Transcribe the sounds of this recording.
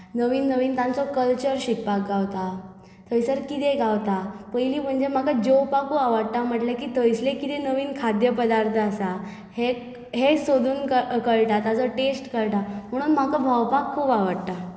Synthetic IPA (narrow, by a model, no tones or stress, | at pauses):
nəʋiːnːəʋiːnt̪ãnt͡sɔkəlt͡ɕəɾɕik̚pak̚ɡawt̪a | t̪ʰəjsəɾkit̪eɡawt̪apəjliːm̤əɳd͡zem̤akad͡ʑowpakuaʋəɽt̪am̤əʈlekiːt̪ʰəjslekit̪enəʋiːnkʰad̪jəpəd̪aɾt̪ʰəasa | he | ɦesod̪uːnkəkəɭʈat̪at͡sɔʈesʈkəɭʈam̤əɽ̃uːnm̤akabʱəwpakʰːuːpaʋəɽt̪a